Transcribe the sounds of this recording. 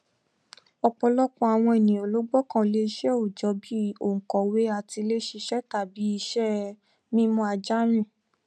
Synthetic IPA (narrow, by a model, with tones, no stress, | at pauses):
ɔ˧k͡pɔ˧lɔ˦kɔ̃˦a˨w̃ɔ̃˧e˨nĩ˨o˨lo˨˦ɡ͡bɔ˦kã˦˨le˧ʃɛ˦o˨d͡ʒɔ˨˧˦bi˦o˨ŋ̩˨kɔ˨we˦a˨ti˧le˦ʃe˧ʃɛ˦ta˨bi˨˦i˧ʃɛ˦ | mĩ˦mɔ̃˧˦a˧d͡ʒa˦ɾ̃ĩ˦˨